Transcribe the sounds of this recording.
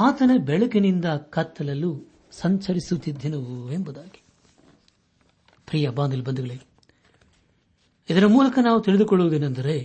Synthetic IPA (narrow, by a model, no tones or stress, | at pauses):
aːt̪ɐnɐbɛɭɐkinind̪ɐkɐt̪ːɐlɐlːu | sɐɲt͡ʃɐɾisut̪ːid̪ʱːinuembud̪aːɡi̥ | pɾiːjɐbaːnd̪ɐlbɐnd̪uɡɐɭeː | id̪ɐɾɐmuːlɐkɐnaːʋut̪iɭid̪ukɔɭːuʋud̪eːnːɐnd̪ɐɾe̞